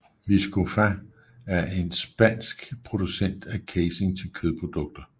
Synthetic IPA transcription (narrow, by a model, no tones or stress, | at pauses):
ʋisɡ̥ufæ | æɐʔe̝nsb̥æn̰sɡ̥pʰʁo̝d̥usen̰d̥ækʰeɪse̝ŋt͡sʰe̝lkʰøðˠpʰʁo̝d̥ɔ̽ɡ̥̚d̥ɐ